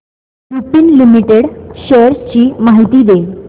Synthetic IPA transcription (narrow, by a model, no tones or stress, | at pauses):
ɾupiːnlimiʈeɽɕəɾst͡ɕiːmaɦit̪iːd̪e